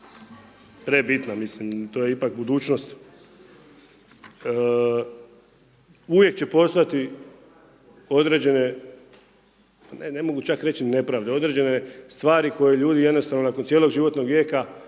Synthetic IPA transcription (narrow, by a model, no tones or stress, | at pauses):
pɾe̞bit̪namislimt̪oːje̞ipak̚bud̪uːt͡ɕno̞st̪ | uʋje̞k̚t͡ɕe̞po̞st̪oajat̪i | o̞d̪ɾe̞d͡ʑe̞ne̞ | anene̞mo̞ɡut͡ʃakɾe̞t͡ɕine̞pɾaːʋd̪eo̞d̪ɾe̞d͡ʑe̞nest̪ʋaːɾiko̞jeʎuːd̪ije̞d̪nost̪aʋnonakonsjelo̞ɡʒiʋo̞t̪no̞ɡʋjeːka